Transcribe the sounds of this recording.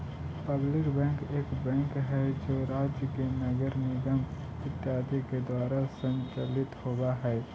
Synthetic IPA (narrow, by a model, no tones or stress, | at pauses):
pəblɪkbɛ̃ːŋkeːkbɛ̃ːŋkɦɛd͡ʒoːɾaːd͡ʒjəkenɐɡəɾmẽɡɐm | ɪt̪ːjaːd̪iked̪waːɾasə̃nt͡ʃəlɪt̪hoːɡaɦɛː